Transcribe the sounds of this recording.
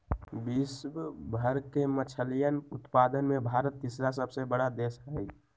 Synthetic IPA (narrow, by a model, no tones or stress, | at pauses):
biswbʱəɾkemət͡ʃʰəlijənʊt̪pad̪ənmebʱaɾət̪ːisɾas̬əbsebəɽad̪esɦəi